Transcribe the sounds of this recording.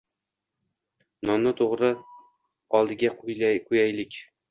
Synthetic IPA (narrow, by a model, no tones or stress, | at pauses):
nɒnːɪt̪ʰoʁɾɨ | ɒlˠd̪ɪɡʲaqqʰujæjlɪkʲ